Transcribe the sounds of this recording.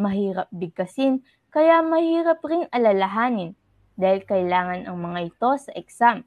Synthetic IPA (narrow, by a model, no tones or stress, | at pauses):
mɐɦiːɾɐp̚bɪɡɐsin | kɐjamɐhiːɾɐpɾɪŋɐlɐlɐɦaːnɪn | d̪aːhɪlkɐjlaːŋɐnɐŋmɐŋaʔɪt̪o̞sɐʔɛksam